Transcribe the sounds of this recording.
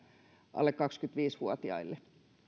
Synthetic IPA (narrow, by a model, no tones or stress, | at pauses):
ʔɑ̰lːekkɑkskyt̪ʋiːsʋuot̪iɑ̰ilːe